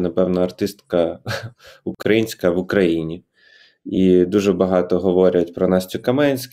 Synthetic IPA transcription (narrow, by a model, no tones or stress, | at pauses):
nɐpɛwnɐɐrt̪ɪst̪kɐ | ʊkɾɐjinʲsʲkɐʋʊkɾɐjinʲi | id̪uʒɛbɐɦɑt̪ɔɦɔʋɔɾʲɐt̚ʲpɾɔnɑsʲt͡sʲʊkɐmɛnʲsʲk